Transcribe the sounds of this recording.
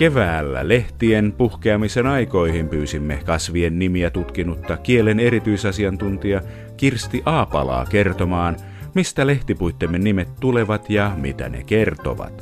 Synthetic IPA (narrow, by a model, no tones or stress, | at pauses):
ke̞ʋæːlːæ̰leht̪ienpuhkeɑmisenɑjko̞ihimpyːsimːekɑsʋienːimiæt̪ut̪kinut̪ːɑkielene̞ɾit̪yisɑsiɑnt̪unt̪iɑ | kirst̪iʔɑːpɑ̰lɑ̰ːke̞rt̪omɑːn | mist̪æle̞ht̪ipujt̪ːemːenːimet̪ːule̞ʋɑt̪jɑmḭt̪æ̰nḛkert̪o̰ʋɑ̰t̪